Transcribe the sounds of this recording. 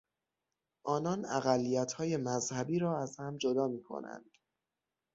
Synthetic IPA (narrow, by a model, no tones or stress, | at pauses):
ʔɒːnɒnæ̰ɣælːijæt̪ʰhɒːje̞mæzhæbiːɾɒːæzhæmd͡ʒod̪ɒːmiːkʰo̰næ̰nd̪̥